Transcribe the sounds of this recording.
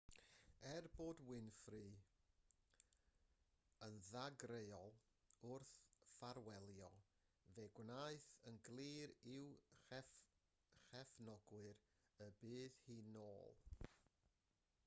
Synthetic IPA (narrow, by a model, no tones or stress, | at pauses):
ɛrboːdwɪnfrɨ | ənðaɡrejɔlˠ | ʊrθfaɾwɛlˠjɔ | veɡwnaɨθənɡlˠiːɾɪwɛ | χɛfnɔɡwɨɾ | əbɨːðhiːnoːlˠ